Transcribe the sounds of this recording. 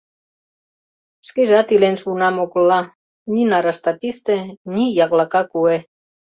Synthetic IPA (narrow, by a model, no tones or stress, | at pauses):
ʃkiʒɑt̪ilenʃunɑmoɣlːɑ | nʲinɑɾɑʃt̪ɑt̪ist̪ĕnijɑɣlɑkɑkue